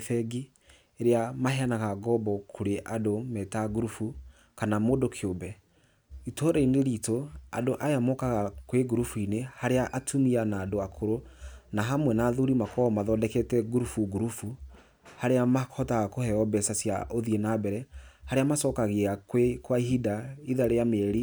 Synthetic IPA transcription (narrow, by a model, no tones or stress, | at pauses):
θɛɡi | eɾeamahɛanaɣaɡɔbɔkʰoɾeʔadomɛtaɡuɾufu | kanamodokʰeobɛ | itoɾɛineɾitoa̰doʔajamokaɣakweɡuɾufuinehaɾeaʔatʰumianaːdoakʰoɾonaɦamwɛnaːðuɾimakɔɔmaðɔdɛkɛtɛɡuɾufuɡuɾufu | haɾeamahɔtaɣakohɛɔbɛsasja̰ʔoðienabɛɾɛhaɾeamasɔːkaɣeakwekwaiɦidaiðaɾeameɛɾi